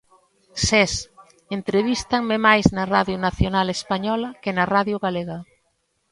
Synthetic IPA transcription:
sɛs | ent̪ɾeβist̪ɐŋmɪmajznɐraðjʊnaθjonalespaɲɔlɐkɪnɐraðjʊɣaleɣɐ

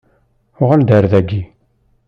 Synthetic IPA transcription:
ʊʁəld̪əɾðæɡi

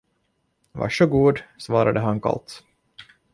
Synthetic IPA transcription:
va̰ʂɵɡuːd̪svɑːɾad̪əɦankʰa̰lt̪

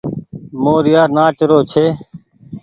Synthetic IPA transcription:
moːɾɪjaːɾnaːt͡ʃəɾoːt͡ʃʰeː

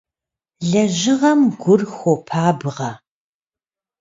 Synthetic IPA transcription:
ɮɐʑɪʁɐmɡʷʊrxʷopʰaːbɨʁɐ

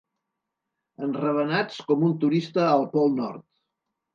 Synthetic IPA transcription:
ənrəβənat͡skɔmunt̪uɾist̪əːlˠpɔlˠnɔ̰ɾt̪

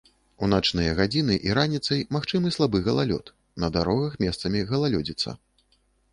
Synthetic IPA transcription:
unat͡ʂnɨjɐɣad͡zʲinɨʔiɾanʲit̪sɐjmaxt͡ʂɨmɨslˠabɨɣɐlˠa̰lʲɔ̰t̪ | nɐd̪aɾɔɣɐxmʲɛst̪sɐmʲiɣɐlˠalʲɔd͡zʲit̪sːɐ̰

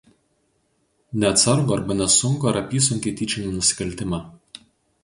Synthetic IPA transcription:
nʲɛɐt̪sɐɾɡʊɐɾbɐnʲɛsʊŋkoɐɾɐpʲiːs̬ʊŋʲk̪ʲit̪ʲit͡ʃʲɪnʲinʊsʲɪ̥kɐlʲt̪ʲɪmɐ

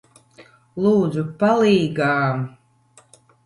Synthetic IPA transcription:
lˠuːd̪zupaliːɡaːm

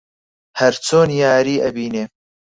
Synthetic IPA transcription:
hɐɾt͡sʰoːnjaːɾiːʔɐbiːneː

